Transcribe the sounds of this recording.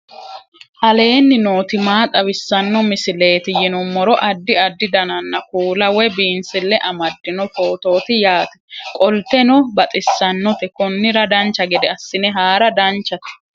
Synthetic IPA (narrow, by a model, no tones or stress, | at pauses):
ʔɐle̞ːnːɪno̞ːt̪ɪmaːt̪ʼɐbɪsːɐnːɔmɪsɪle̞ːt̪ɪjɪnɔmːɔɾɔʔɐd̪ːɪɐd̪ːɪd̪ɐnɐnːɐkuːlɐwɛbiːnsɪlːɛʔɐmɐd̪ːɪnɔfo̞ːt̪o̞ːt̪ɪjaːt̪ɛ̥kʼɔlt̪ɛnɔbɐt̪ʼɪsːɐnːɔt̪ɛkɔnːɪɾɐd̪ɐnt͡ʃːɐɡɛd̪ɛɐsːɪnɛɦaːɾɐd̪ɐnt͡ʃːɐt̪ɛ̥